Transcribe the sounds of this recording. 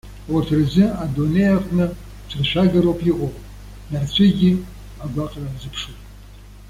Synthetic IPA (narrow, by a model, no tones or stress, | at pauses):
wartʰrzɨadonejaqʼnɨ | t͡ʃʷʰrʃʷʰᶣaɡaɾowpʰiʔʷʼopʼ | nart͡ɕʷʰɪɡʲi | aɡʷaqʼrarzɨpʰʂutʼ